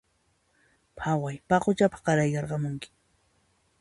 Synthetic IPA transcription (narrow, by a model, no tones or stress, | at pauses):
pʰawajpɑqʊt͡ʃapḁɢɑɾajkɑɾɢɑmʊŋkɪ̥